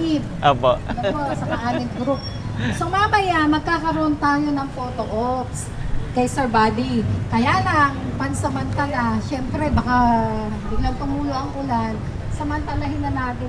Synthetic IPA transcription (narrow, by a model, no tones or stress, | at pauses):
ɪp̚ʔoːpoʔʔnoposɐkɐʔaːmɪŋɡɾup̚ | somaɐbɐjamɐɡ̚kaːkɐɾoʔont̪aːjonɐŋfoːt̪oʔops | kɐjsɛɹbaːd̪ikɐjaːlaŋpɐnsɐmɐnt̪alaʃɛmpɾɛbɐka | b̪ɪɡɐnt̪ʊmuːloʔɐŋʔʊlan | sɐmɐnt̪ɐlaɦɪnɐnaːt̪ɪ